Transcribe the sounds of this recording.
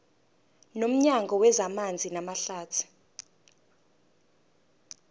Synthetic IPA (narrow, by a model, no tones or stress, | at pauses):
nom̩ɲaŋɡʱɔwɛzamand͡zʱinamaɬaːtʰu̥